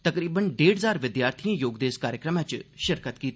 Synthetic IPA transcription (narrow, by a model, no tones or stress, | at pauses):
t̪əkɾiːbənɖeːɽɦəzaːɾʋɪd̪jaːɾt̪ʰijãːjoːɡd̪eːskaːɾjəkɾəmãːt͡ʃʃɪɾkət̪kiːt̪